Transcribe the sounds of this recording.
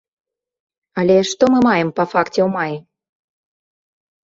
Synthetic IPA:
ɑlʲeʃt̪omɨmɑjəmpɐfɑktʲeumɑj

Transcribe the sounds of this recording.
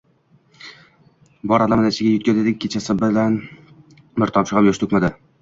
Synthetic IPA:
bɒɾalamɪnat͡ʃɪɡʲajʊt̪kʲazed̪ɪk̚ʲʰːet͡ʃʰasɪbɪlan | mɪɾt̪ʰɒpʃɪʁamjoʃt̪ʰʊkʲmad̪ɪ

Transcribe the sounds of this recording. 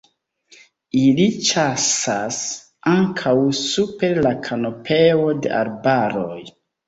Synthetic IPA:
ilit͡ʃasas | aŋkʰawsupe̞ɾlakʰano̞pʰewo̞de̞̰ʔa̰ɾbaɾo̞j

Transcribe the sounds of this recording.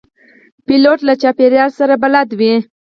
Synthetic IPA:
piloʈlat͡ʃapeɾjɑlsaɾabalad̪wi

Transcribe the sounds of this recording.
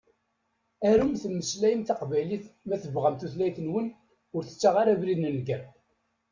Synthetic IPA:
æɾumθəmːəslæjəmθɑqvæjliθmæθəvʁæmθuθlæjθənwən | ʊɾθə̥t͡sːaʁaɾavɾiðnənɡəɾ

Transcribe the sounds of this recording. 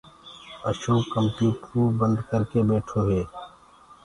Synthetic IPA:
ə̰ʃoːkəmpjuːʈɾuːbə̃nd̪kəɾkebeːʈʰoɦeː

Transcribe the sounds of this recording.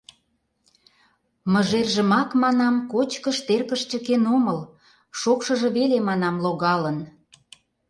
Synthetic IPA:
mə̆ʒerʒə̆mɑkmɑnɑmkot͡ɕkəʃt̪erkəʃt͡ɕə̆kenoməl | ʃokʃə̆ʒɤ̆βelemɑnɑmloɣɑlən

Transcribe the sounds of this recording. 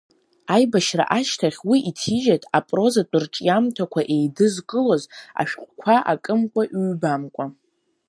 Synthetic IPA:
ajbaʃra̰ʔaʃtʰaχʲwiʔitʰiʒatʼapʼro̞zat͡pʷʼɨrʈ͡ʂʼjamtʰakʷʰaʔe̞jdɨzkʼɨloza̰ʃᶣqʷʼkʷʰaʔa̰kʼɨmkʷʼaʔɥbamkʷʼa

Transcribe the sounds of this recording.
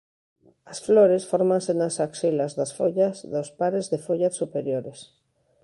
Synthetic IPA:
ɐsfloɾesfoɾmãnsenasaksilazðasfoʎasðospaɾezðefoʎasupeɾjoɾes

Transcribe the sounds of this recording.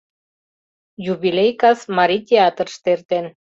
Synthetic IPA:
juβilejkɑsmɑɾit̪ʲeɑt̪ərʃt̪ert̪en

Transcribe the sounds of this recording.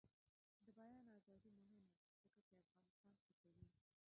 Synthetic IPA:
d̪əbajɑnazɑd̪imʊɦɪm | zəkat͡ʃeafɣɑnɪst̪ɑntakawi

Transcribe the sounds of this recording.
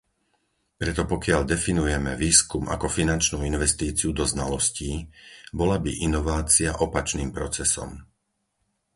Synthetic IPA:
pɾɛt̪ɔpɔkɪaʎd̪ɛfinujɛmɛʋiːskumʔa̰kɔfinant͡ʃnuːinʋɛst̪iːt͡siud̪ɔznalɔsciːbɔlabiʔinɔʋaːt͡siaʔɔpat͡ʃniːmpɾɔt͡sɛsɔ̰m

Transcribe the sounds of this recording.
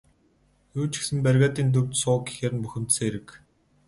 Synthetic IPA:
juːt͡ɕɪ̥̆xsɘ̆mpærɣʲaːt̪iːnt̪̬ɵrʲt̪sʊːɡi̥xeːɾɘ̆npuxʲɪ̆mt̪seːeɾɘ̆k

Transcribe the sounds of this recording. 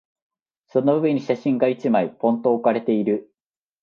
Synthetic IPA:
so̞nobɯβɯ̃ɲ̟ːiɕaɕĩŋɡait͡ɕimaipõ̞nt̪oːkaɾe̞t̪e̞iɾɯ̟

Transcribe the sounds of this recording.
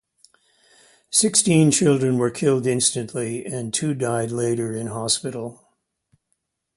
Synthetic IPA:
sɪkstĩnt͡ʃʰɪlˠdɹɨ̃nwə˞kʰɪlˠdɪ̃nstɨ̃nʔliɨ̃ntʰʉdaɪdˡleɪɾə˞ɪ̃nɦɑspɪɾl̩ˠ

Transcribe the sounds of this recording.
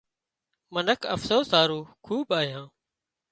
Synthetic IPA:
mənəkʰə̰fsoːsaːɾuːkʰuːbaːɦjãː

